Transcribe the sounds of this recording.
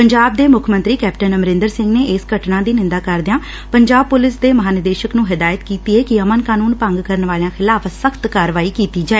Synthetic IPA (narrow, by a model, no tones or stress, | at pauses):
pəɲd͡ʒaːb̚d̪eːmʊkʰmə̃nt̪ɾiːkɛːpʈənəmɾɪ̃nd̪əɾsɪ̃ŋɡneːʔɪsɡəʈnãːd̪iːnɪ̃nd̪aːkəɾd̪ɪjãː | pəɲd͡ʒaːb̚pʊlɪsd̪eːməɦaːnɪd̪eːʃəknũːɦɪd̪aːjət̪kiːt̪iːɛːkɪəmənkaːnuːnpə̃ŋɡkəɾənʋaːlejãːxʰɪlaːfsəkʰt̪kaːɾʋaːiːkiːt̪iːd͡ʒaːeː